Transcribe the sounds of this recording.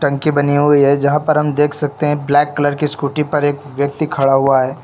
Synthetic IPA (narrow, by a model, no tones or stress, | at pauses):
ʈɐ̃ŋkibɐniɦʊiɦɛd͡ʒɐɦãpɐɾɦɐmd̪eːkʰsɐk̚t̪eɦɛ̃blɛːkːɐləɾkiskuːʈipɐɾeːkʋjɐk̚t̪ikʰɐɽaɦuaɦɛː